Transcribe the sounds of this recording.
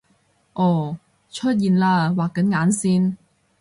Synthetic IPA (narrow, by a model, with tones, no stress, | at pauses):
ʔɔː˧˩ | t͡ʃʰɵ˥t̚jiː˨˩nlaː˧waː˨kːɐ˨˥nŋaː˨˥nsiː˥n